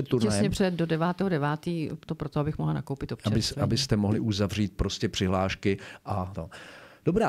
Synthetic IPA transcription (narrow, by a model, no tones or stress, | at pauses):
ɛt̪uɾnɛasjɛɲɛpr̥ɛɛt̪̚dodɛvaːt̪ɛːɦodɛvaːt̪iːt̪opɾot̪oabɪxmoɦlana̰kowpɪt̪op̚t͡ʃɛɪsabɪst̪ɛmoɦlɪʔuzavriːt̪̚pɾo̞scɛpr̥ɪɦlaːʃkɪʔat̪od̥obɾaː